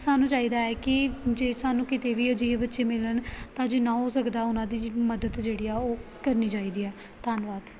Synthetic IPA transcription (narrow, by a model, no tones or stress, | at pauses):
saːnũːt͡ʃaːiːd̪aːɛːkɪd͡ʒeːsaːnũːkɪt̪eːʋiːəd͡ʒiːbətːʃeːmɪlənt̪ãːd͡ʒeːnãːɦoːsəkd̪aːʊnãːd̪iːməd̪əd̪d͡ʒeːɽiːɛːoːkəɾniːd͡ʒaːiːd̪iːɛː | t̪aːnʋaːd̪